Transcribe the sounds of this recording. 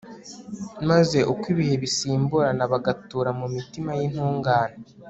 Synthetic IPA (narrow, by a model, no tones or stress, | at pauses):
maze̞ʔukwiβihe̞βisiːmbuɾanaβaɡatuːɾamumitimajinhuːŋɡaːne